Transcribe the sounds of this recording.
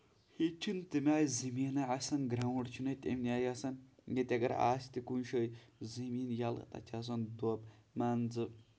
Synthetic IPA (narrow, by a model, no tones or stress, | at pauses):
hit͡ʃʰint̪ɨmʲaːjzɐmiːnɐʕasɐnɡɾawɐɽt͡ʃʰunɐjt̪ʲḛmniaːjɐsɐnjet̪ʲɐɡɐɾa̰ːsʲt̪ikunʃəjzɐmiːnjal̰t̪ɐ̰t͡ʃʲʰas̬ɐnd̪obmaːnzɨ